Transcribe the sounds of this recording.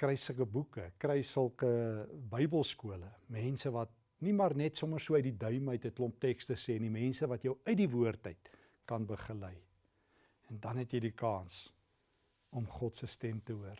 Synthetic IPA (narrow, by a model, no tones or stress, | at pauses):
krɛjsləkəbukəkrɛjsəlˠkəbəjbəlˠskuələmɛnsəvɐt̚ | nimɑrnɛtsɔmərsuəœɥdidœɥməjtətlɔmp̚tɛkstəsɛːnimɛnsəvɐtjəwœɥdivuərtəjt | kɐnbəχəlɛj | ɛndɐnɦɛtjɛjdikɑːns | ɔmχɔtsəstɛmtəuər